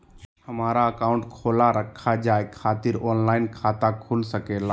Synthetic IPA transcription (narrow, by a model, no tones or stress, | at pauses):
həmaːɾaəkaːʊ̃ɳʈkʰoːlaɾəkʰːad͡ʒaːekʰaːt̪ɪɾɔːnlaːɪnkʰaːt̪akʰulsəkeːlaː